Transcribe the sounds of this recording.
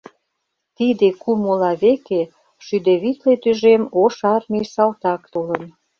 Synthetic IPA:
t̪id̪ekumolɑβeke | ʃyd̪eβit̪let̪yʒemoʃɑrmisɑlt̪ɑkt̪olən

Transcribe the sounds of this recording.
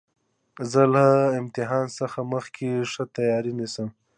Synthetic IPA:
zəlaɪmt̪ɪɦɑnsəxaməxkʰeʂət̪ajɑɾinisəm

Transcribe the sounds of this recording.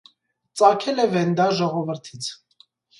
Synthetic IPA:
t͡sɑkʰɛlɛvɛnd̪ɑʒɔʁɔvəɾt̪ʰit͡sʰ

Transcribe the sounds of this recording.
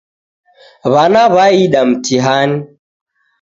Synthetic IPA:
βanaβaiɗamtiɦani

